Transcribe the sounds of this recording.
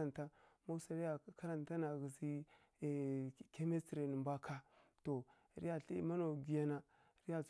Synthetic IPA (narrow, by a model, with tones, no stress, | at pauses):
a˨nta˦ma˦sa˨ɾi˦ja˨ka˦ɾa˨nta˦na˨ɡi˨zi˦˨ | ke˦me˦ti˨ɾe˨ni˨mba˦kʰa˦to˨ | ɾi˦ja˨ɬḭ˦ma˦no˨ɡi˨ja˦na˨ | ɾi˦ja˨